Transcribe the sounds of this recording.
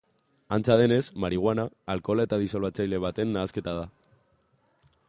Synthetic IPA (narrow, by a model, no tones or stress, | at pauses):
ant͡sað̞e̞ne̞zmaɾiɣ̞wanaːlkolaet̪að̞isolβat͡sajle̞β̞at̪e̞nːaːske̞t̪að̞a